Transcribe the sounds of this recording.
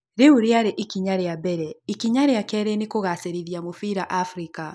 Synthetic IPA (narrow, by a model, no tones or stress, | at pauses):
ɾeuɾeaɾeʔikiɲaɾeabɛɾɛikiɲaɾeakɛɾenikoɣaseɾiðiamofiɾaʔafɾika